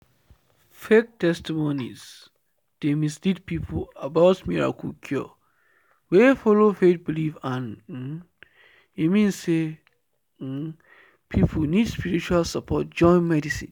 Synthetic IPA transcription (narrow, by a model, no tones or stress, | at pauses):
fek̚tʰɛstimonḭz | d̥emislid̚pʰipʰlabaʊtmiɹa̰kʰulkʰjɔ̰ | wefɔlofet̚bilifãn̩ | imĩnse | pʰipʰunidspiɹit͡ʃualsapʰɔt̚d͡ʒɔ̃ɪ̃nmɛdisḭ̃n